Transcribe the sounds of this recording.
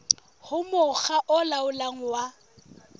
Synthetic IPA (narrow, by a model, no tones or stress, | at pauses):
hʊmʊɣaʔɔlaʊlaŋ̩wa